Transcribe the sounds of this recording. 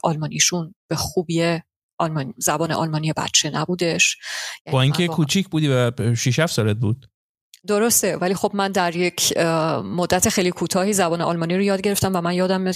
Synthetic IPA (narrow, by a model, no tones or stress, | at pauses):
ʔɒlmɒːnʔiʃunb̥e̞xuːbie | ʔɒlmɒnzæbɒːneʔɒ̰lmɒːnije̞bæ̰t̪̚t͡ʃʰe̞næbuːd̪e̞ʃjjæbɒːiːŋkʲʰekʰuːt͡ʃʰicʰbuːd̪ivæʃiʃ̬æfsɒɾed̪̚buːd̪̥̚ | d̪o̞ɾo̞st̪e̞væliːxo̞bmænd̪æɾje̞cʰmo̞d̪ːæt̪ʰe̞xe̞jlikʰuːt̪ʰɒːhiːzæbɒːneʔɒlmɒniɾojɒːd̪̚ɟe̞ɾeft̪æmvæmænjɒːd̪æm